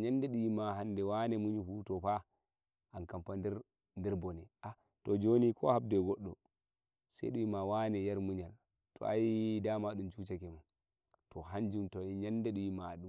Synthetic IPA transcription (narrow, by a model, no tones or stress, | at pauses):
ɲandɛɗujimaɦandɛwanɛmuɲifutɔpa | ʔankampandɛɾ | ndɛɾbɔnɛʔa | tɔd͡ʒonikʰɔ̰hab̚dɛɡɔɗːɔ | sa̰jɗujimawanɛjaɾmuɲal | tɔ̰ajidamaɗumt͡ʃut͡ʃakɛman | tɔɦand͡ʒumtɔiɲandɛɗujimaɗu